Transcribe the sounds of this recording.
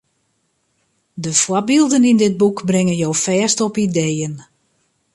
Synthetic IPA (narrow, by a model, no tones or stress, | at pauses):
dəfwɔbilˠdənindɪt̚bukbrɪŋənjowfɛːstɔpidejən